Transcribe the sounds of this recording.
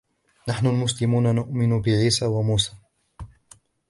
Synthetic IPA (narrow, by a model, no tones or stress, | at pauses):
naħnʊlmʊs̬lɪmuːnanʊʔmɪnʊbɪʕiːsaːwamuːsaː